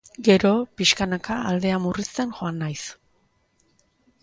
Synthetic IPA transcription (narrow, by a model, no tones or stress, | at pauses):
ɡe̞ɾo̞piʃkanakaːld̪e̞amurist̪e̞nxo̞anːajs